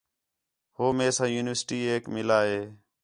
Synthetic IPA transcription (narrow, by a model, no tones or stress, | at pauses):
hoːmẽːsãːjuːnɪʋəsʈiːeːkmɪlaːɦeː